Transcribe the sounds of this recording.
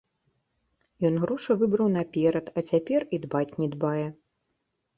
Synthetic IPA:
jɔnɣɾɔʂɐvɨbɾɐwnɐpʲɛɾɐt̪ɐt͡sʲapʲɛrid̪bat͡sʲnʲɛd̪bajɛ

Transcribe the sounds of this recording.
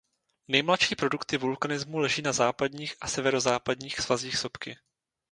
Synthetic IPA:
nɛjmlat̪ʃiːpɾo̞dukt̪ɪvulkanɪzmulɛʒiːnazaːpadɲiːxʔasɛvɛɾo̞zaːpadɲiːxsvaziːxso̞pkɪ

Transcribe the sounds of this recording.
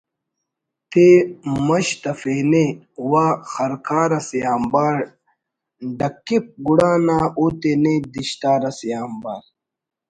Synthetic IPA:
t̪emɐɕt̪ɐfeːne | waːxɐɾkʰaːɾɐsjaːmbaːɾ | ɖɐkːip̚ɡuɽaːnaːoːt̪ened̪iɕt̪aːɾɐsjaːmba̰ːɾ

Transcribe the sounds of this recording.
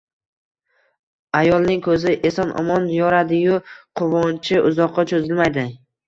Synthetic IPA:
ajɒlˠnɪŋkʰɵzɪʔe̞sɒnʔɒ̰mɒnjɒɾad̪ɪjʊqʰʊvɒnt͡ʃʰɪʔʊzɒqʰːɑt͡ʃʰozɪlmajd̪ɪ

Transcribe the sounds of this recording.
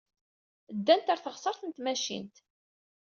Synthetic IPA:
d̪ːænt̪aɾθəʁsˤəɾθənt̪mæʃḭnt̪

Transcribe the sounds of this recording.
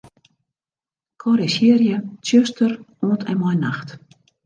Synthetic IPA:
kʰɔɾɛsiərjət͡sjøstəroːntʰɛnmɔjnaxt

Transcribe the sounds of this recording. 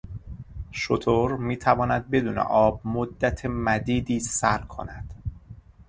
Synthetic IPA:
ʃot̪ʰoɾmiːt̪ʰævɒːnæd̪̚be̞d̪uːnḛʔɒːb̚mod̪ːæt̪ʰemæd̪iːd̪iːsæɾkʰo̞̰næd̪̥

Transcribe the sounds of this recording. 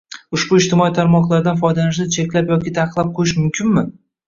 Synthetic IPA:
ʊʃbʊɪʃt̪ɪmɒjit̪ʰaɾmɒqlˠaɾd̪anfɒjd̪anɪʃ̬d̪at͡ʃʰekʲlapjɒkʲɪ̥t̪ʰɑqəqlˠap̚qʰojɪʃmʊmkʲʰɪnmɪ

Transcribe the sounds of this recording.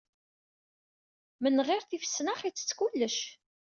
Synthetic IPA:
mənʁɪɾθifə̥sːnaχit͡sːə̥t͡sːkulːəʃ

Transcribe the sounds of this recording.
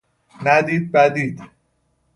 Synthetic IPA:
næd̪id̪̚bæd̪iːd̪

